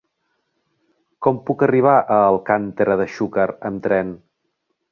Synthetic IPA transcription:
kɔmpukəriβ̞aʔəlˠkant̪əɾəðəʃukəɾəmt̪ɾɛn

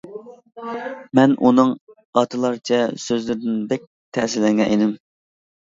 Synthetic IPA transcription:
mɛnʔunɨŋ | ɑt̪ʰɨlˠɑɾt͡ʃʰɛsøzlɪɾd̪ɪnbɛk̚ʲ | t̪ʰɛsɪlɛŋɡɛʔenɪm

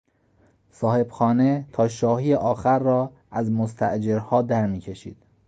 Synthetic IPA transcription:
sɒːhe̞b̥xɒːnet̪ʰɒːʃɒːhiːjeʔɒːxæɾːɒː | ʔæzmost̪ʰæ̰ʔd͡ʒe̞ɾhɒːd̪æɾmiːcʰe̞ʃḭːd̪̥

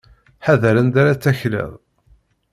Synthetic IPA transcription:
ħaðəɾənd̪aɾat͡sːæçlə̰ðˤ

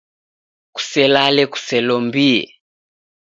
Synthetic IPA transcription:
ku̥sɛlalɛku̥sɛlɔmbiɛ̰

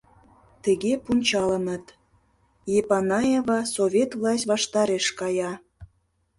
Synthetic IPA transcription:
t̪ə̆ɣepunʲt͡ɕɑlə̆nə̆t̪ | jepɑnɑjevɑsoβʲet̪vlˠɑsʲtʲβɑʃt̪ɑɾeʃkɑjɑ

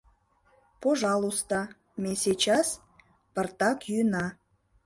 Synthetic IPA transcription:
poʒɑlˠust̪ɑ | meset͡ɕɑs | pərt̪ɑkjynɑ

